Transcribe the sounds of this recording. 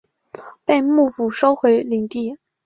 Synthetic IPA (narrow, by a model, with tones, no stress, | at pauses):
pe˥˧ɪmu˥˩fu˨˩ʂo˥ʊxwe˧˥ɪli˨˩ŋt̪i˥˩